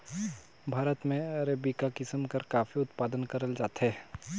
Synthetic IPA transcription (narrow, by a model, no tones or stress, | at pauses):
bʱaːɾət̪mẽɐɾebikakɪsəmkɐɾkaːfiʊt̪paːd̪ənkɐɾəld͡ʒaːt̪ɦɛː